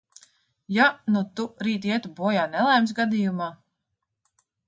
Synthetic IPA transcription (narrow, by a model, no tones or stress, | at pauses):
janut̪uɾiːt̪iɛt̪ubuɔjaːnɛlˠajmsɡad̪iːjumaː